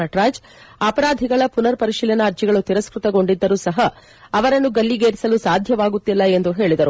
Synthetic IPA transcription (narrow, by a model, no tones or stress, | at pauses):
ɐʈɾaːd͡ʒ | aːpɐɾaːd̪ʱiɡɐɭɐpunɐɾpɐɾiʃiːlɐnɐːɾt͡ʃiɡɐɭut̪iɾɐskɾut̪ɐɡo̞ɳɖid̪ːɐɾuːsɐɦɐː | ʋɐɾɐnːuɡɐlːiɡeːɾisɐlusaːd̪ʱjɐʋaːɡut̪ːilːɐe̞nd̪uɦe̞ːɭid̪ɐɾu